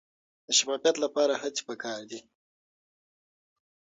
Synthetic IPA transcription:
d̪̥əʃafɑfjat̪lapɑɾahat͡si̥pəkɑːɾd̪i

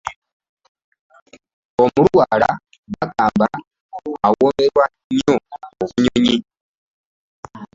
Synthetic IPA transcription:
o̞mulwaːla̰ | βakaːmba | awoːme̞ɾwa | ɲooβuɲoɲi

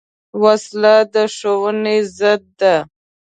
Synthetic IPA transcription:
waslad̪əʂowənezəd̪̚ːa

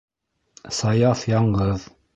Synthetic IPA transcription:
sɑjɑθjɑɴɢɤð

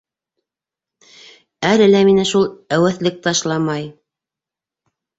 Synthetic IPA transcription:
ælɘ̆læminæʃulˠæwæθlɘk̚t̪ɑʃlˠɑmɑj

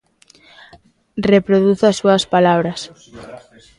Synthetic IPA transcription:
repɾoðuθasːuɐspalaβɾɐs

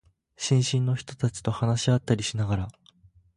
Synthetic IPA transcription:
ɕĩɰ̃ɕĩnːo̞çi̥t̪o̞t̪at͡ɕi̥t̪o̞hanaɕiat̪ːaɾʲiɕinaɡaɾa

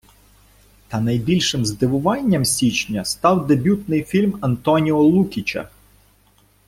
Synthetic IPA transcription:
t̪ɐnɐjbʲilʲʃɪmzd̪ɪʋʊʋɑnʲːɐmsʲit͡ʃnʲɐst̪ɑwd̪ebʲut̪nɪjfʲilʲmɐnt̪ɔnʲiɔlˠukʲit͡ʃɐ̰

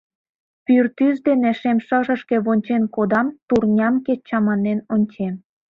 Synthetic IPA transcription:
pyrt̪yzd̪eneʃemʃəʒə̆ʃke̽βonʲt͡ɕenkod̪ɑmt̪urnʲɑmket͡ɕɑmɑnenonʲt͡ɕem

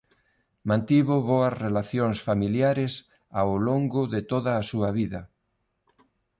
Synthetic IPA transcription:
mãnt̪iβʊβoɐsrelaθjoŋsfamiljaɾɪs | aowloŋɡʊðɪt̪oðɐːsuɐβiðɐ

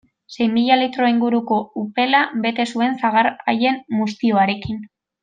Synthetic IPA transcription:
se̞jmiʎalit̪ɾo̞iŋɡuɾuko̞upe̞laβe̞t̪e̞sue̞nsaɣaɾa̰je̞nmust̪io̞aɾe̞kin

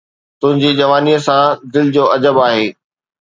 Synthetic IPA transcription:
t̪ʊ̃ɦɪ̃ɲd͡ʑid͡ʑɐʋaːniəsãd̪ɪlɪd͡ʑoːɐd͡ʑəbaːɦeː

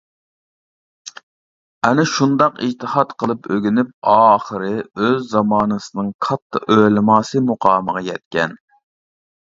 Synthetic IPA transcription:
ɛnɪʃund̪ɑqḭd͡ʒt̪ʰɨhɑt̪qʰəlˠɨpøɡʲynyp̚ɑːχəɾɨøzːɑmɑːnɨsɨnɨŋqʰɑt̪ʰːɨølɪmɑːsɨmuqʰɑːməʁɑjɛt̪̚kʲɛ̰n

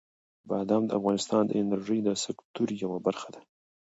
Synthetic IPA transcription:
bad̪amd̪əafɣɑnɪst̪ɑnd̪ə̰ɪnaɾʒəjd̪əsɪkt̪uɾjawabaɾxad̪a

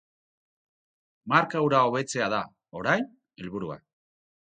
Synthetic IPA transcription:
maɾkawɾao̞β̞e̞t͡se̞aða | o̞ɾajn | elβuɾua̰

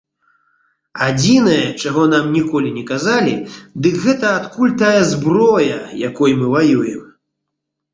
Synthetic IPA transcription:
ad͡zʲinɐjɐt͡ʂaɣɔn̪amnʲikɔlʲinʲɛkazalʲid̪ɨkɣɛt̪ɐːt̪kulʲt̪ajɐzbrɔjɐjakɔjmɨvajujɛm

